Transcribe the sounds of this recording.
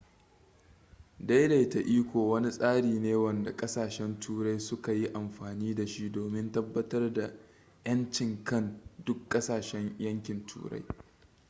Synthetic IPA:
da˦jda˨jta˨ʔiː˦kʷoː˨wɐ˦ni˦sʼaː˦ɽiː˨neː˦wɐ˨nda˨kʼɐ˦saː˨ʃɛ˦ntʰuː˦ɾa˦jsʊ˦ka˨ji˦ʔa˨mɸaː˨niː˦da˨ʃi˦ʔdoː˨mɪ˦ntɐ˦bːɐ˦tɐ˦rda˨ | j̰ɐ˦nt͡ʃɪ˨ŋkɐ˦˨ndʊ˦kkʼːɐ˦saː˨ʃɛ˦ɲjɐ˦ŋkʲɪ˨ntʰṵː˦ɽa̰˦j

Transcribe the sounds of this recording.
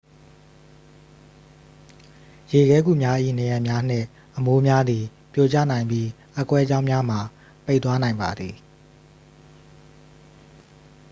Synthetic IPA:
je˨ɡɛ˦ɡṵ˦˨mja˦ʔḭ˦˨nɛ˨jã˨mja˦n̥ɪ̰̃˦˨ | ʔəmo˦mja˦d̪ði˨ | pjo˦˨t͡ɕä̰˦˨nã˨ɪ̃mpi˦ | ʔə˨kwɛ˦d͡ʑã˦ʊ̃mja˦m̥a˨ | pe˦˨t̪wa˦nã˨ɪ̃mba˨d̪ði˨

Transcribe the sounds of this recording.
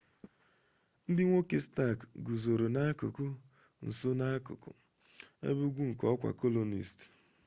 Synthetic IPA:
n̩˦dɪ˦ŋʷo˦ke˨sta˦˨kɡu˨zo˨ɾo˨na˦a˦kʊ̰˨kʊ˦ | n̩˨so˦na˦kʊ̰˨kʊ̰˨ | ḛ˦bu˦ɡʷu˦ŋ̩˨kɔ˦ɔ˦kʷa̰˨ko˦lo˨nḭ˨st

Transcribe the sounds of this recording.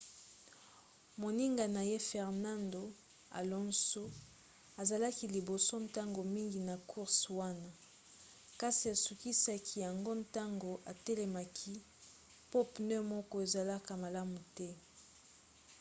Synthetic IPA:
mo˨ni˦ŋɡa˨na˨je˦fɛ˨ʁna˦ndo˨ | a̰˨lɔ˦nso˦ | a˨za˨la˦ki˨li˨bo˨so˦nta˦ŋɡo˨mi˦ŋɡi˨na˨kʰu˦ʁswa˦na˦˨ | ka˦si˨a˨su˨ki˦sa˦kʰi˨˦ja˨ŋɡo˦nta˦ŋɡo˨ʔa˨te˦le˨ma˨kʰi˦ | po˦pnɛ˦mɔ˦kɔ˦e˨za˨la˦ka˨ma˨la˦mu˨tɛ˦

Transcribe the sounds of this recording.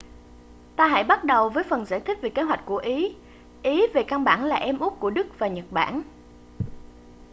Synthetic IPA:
t̪aː˧ɦa̰˧˥jɓa˦˥t̚ɗə˨˩wvəː˨˦jfə˨˩nzaː˧˥˩jt̪ʰï˦˥k̟̚ve˨˩ke˨˦ɦwa˨˩jk̟̚ku˧˩əʔi˨˦ | ʔi˨˦ve˨˩ka˧nɓa̰ː˧˩nlaː˨˩ʔɛ˧mʔʊ˦˥p̚ku˧˩əɗɨ˦˥k̚vaː˨˩ɲə˨˩t̚ɓa̰ː˧˩n

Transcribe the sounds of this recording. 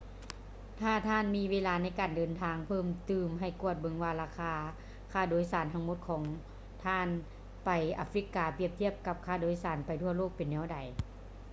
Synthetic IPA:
t̪ʰaː˧˩t̪ʰaː˧˥˨nmiː˧˥ʋeː˧˥˨laː˧na˧˥˨jkaː˨˩ndɤː˨nt̪ʰaː˧˥ŋpʰɤː˧˩˨mt̪ɯː˧˩mɦa˧˩jku˧˩ət̪̚bɤ˧˦ŋwaː˧laː˧˩kʰaː˧ | kʰaː˧˩doː˨˦jsaː˨˦nt̪ʰa˧˥ŋmo˧˥t̪̚kʰɔː˨˦ŋ | t̪ʰaː˧˥˩n | pa˨jʔa̰ː˨˧˥fɾi˧˦˥kːaː˨˩pi˧˥˩əp̚t̪ʰi˥əp̚ka˧p̚kʰaː˧˩doː˨˦jsaː˨˩˦npa˨jt̪ʰu˧˥ɐloː˥˩k̚pe˨nːɛː˧˥˩wda˨˩j

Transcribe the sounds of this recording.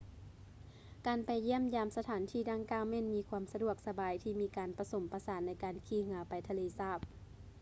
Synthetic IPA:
kaː˨npa˨jːi˥˩əmjaː˧msa˧t̪ʰaː˨˦nt̪ʰiː˧˩daː˧˨ŋkaː˧˩wmɛː˧˥˨nmiː˧˦kʰu˧əmsa˧du˧˨˩ək̚sa˧baː˨˦jt̪ʰiː˧˩miː˧˥kaː˨npa˧so˩˦mpa˧saː˨˦nːa˧˥jkaː˨nkʰiː˧˩hɯ˨˩˦ɐpa˨jt̪ʰa˧leː˧˦saː˧˥˩p̚

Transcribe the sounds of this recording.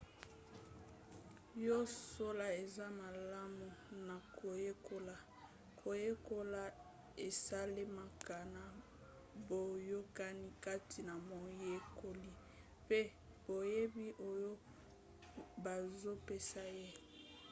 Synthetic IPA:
jo˦so˦la˨e˨za˦ma˨la˦mu˨na˨kʰo˨je˦ko˦la˨ | kʰo˨je˦ko˦la˨ | e˨sa˦le˦ma˦ka˨na˦˨ | bo˨jo˦ka˦ni˦ka˦tʰi˨na˨mo˨je˦ko˦li˦ | pe˦ | b̥o˨je˦bi˦ʔo˦jo˦ | ba˨zo˦pe˦sa˦je˦

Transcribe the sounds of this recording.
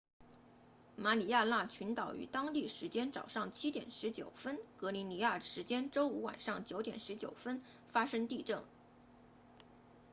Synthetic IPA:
ma˧˥li˨˩ja˥˧na˥˩t͡ɕʰy˧˥nt̪ɑ˨˩ʊy̰˨˩t̪ɑ˥ŋt̪i˥˩ʂɻ̩˧˥t͡ɕjɛ˥nt͡sɑ̰˨˩ʊʂɑ˥˩ŋt͡ɕʰi˥t̪jɛ̰˨˩nʂɻ̩˧˥t͡ɕjo˨˩ʊfə˥nkɤ˧˥li˧˥ni˧˥ja˥˩ʂɻ̩˧˥t͡ɕjɛ˥nʈ͡ʂo˥ʊu˧˥wa̰˨˩nʂɑ˥˩ŋt͡ɕjo˧˥ʊt̪jɛ̰˨˩nʂɻ̩˧˥t͡ɕjo̰˨˩ʊfə˥n | fa˥ʂɤ˥ŋt̪i˥˧ʈ͡ʂɤ˥˩ŋ

